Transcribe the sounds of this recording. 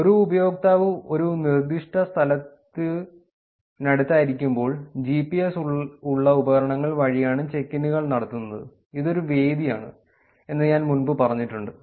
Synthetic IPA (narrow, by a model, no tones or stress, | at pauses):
o̞ɾuːbɐjo̞ːk̚t̪aːʋɨo̞ɾunird̪iʂʈɐst̪ʰɐlɐt̪ːɨ | nɐɽut̪ːaːjiɾikʲːumbo̞ːɭd͡ʑipːie̞suuɭːɐubɐɣɐɾɐɳɐŋːɐɭʋɐɻijaːɳɨt͡ɕe̞kːinuɣɐɭnɐɽɐt̪ːunːɐðɨ̰ | iðo̞ɾuʋe̞ːd̪ija̰ːɳɨ̰ | e̞nːɐɲaːnmunbɨpɐrɐɲːiʈːuɳɖɨ